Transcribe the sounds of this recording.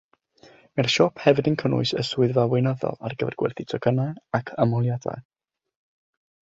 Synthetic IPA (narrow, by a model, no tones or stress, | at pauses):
mɛrʃɔpʰhɛvɨdənkʰənʊ̰ɨsəsuɨðvawejnɔðɔ̰lˠa̰rɡəvɛ̰rɡwɛ̰rθitʰɔɡənaɨakʰəmɔlˠjada̰j